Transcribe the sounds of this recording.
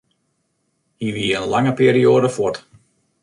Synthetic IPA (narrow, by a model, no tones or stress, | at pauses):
hiʋiːənlɑŋəpiːɾioːdəfot